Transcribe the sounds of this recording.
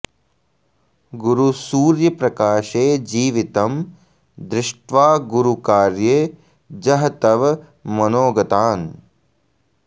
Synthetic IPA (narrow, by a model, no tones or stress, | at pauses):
ɡuɾusuːɾjɐpɾɐkaːʃeːd͡ʒiːʋit̪ɐm | d̪ɾɪʂʈʋaːɡuɾukaːɾjeː | d͡ʒɐɦɐt̪ɐʋɐ | mɐnoːɡɐt̪aːn